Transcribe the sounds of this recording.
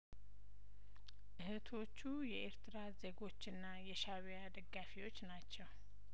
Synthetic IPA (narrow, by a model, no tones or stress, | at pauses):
ʔɨhɨt̪ʰo̞t͡ʃːujɛʔeɾt̪ʰɨɾaze̞ɡo̞t͡ʃːɨnːajɛʃaβijad̪əɡːafiwo̞t͡ʃːnat͡ʃːɛw